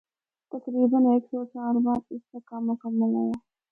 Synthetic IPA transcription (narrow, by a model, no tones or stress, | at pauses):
t̪ɐkɾiːbəneːksɔːt͡ʃaːɾbaːd̪ɪsːəkːamʊkəmːəlɦajaː